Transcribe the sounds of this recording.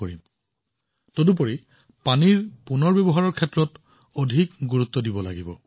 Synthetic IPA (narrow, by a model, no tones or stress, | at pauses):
oɹḭm | todup̬ɔɹi | paniɹpunɔɹbebɔɦaɹɔɹkʰɛtːɹɔt | odʱikɡuɹut̪ːɔdibɔla̰ɡibɔ̰